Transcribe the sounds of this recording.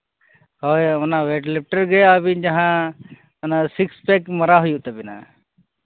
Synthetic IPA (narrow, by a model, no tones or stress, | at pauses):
hɔjɔnawɛʈlɛp̚ʈəɾɡɛjabid͡ʒaɦã | nasikspɛkməɾaɦujuʔt̪ɛbɛna̰